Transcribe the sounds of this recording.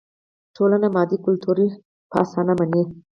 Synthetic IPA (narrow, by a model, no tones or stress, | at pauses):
ʈʰolanamɑd̪ikʊlt̪ʰuɾi | pʰɑ̰sɑnamani